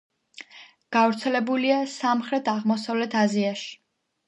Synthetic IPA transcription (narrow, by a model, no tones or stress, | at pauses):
ɡ̥avɾt̪sʰɛlɛbuliasamχɾɛt̪ʰaʁmɔsavlɛt̪ʰaziaʃi̥